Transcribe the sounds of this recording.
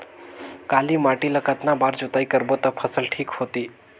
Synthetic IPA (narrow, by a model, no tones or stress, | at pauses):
kaliːmaʈiləkat̪nabaːɾd͡ʒut̪aikəɾbot̪əpʰəsəlʈʰiːkhot̪iː